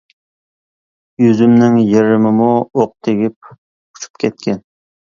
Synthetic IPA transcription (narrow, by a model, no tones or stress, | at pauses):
jyzymnɪŋjeɾɪmɪmuoq̚t̪ʰeɡʲip̚ | u̥t͡ʃʰu̥p̚kʲʰɛt̪̚kʲɛn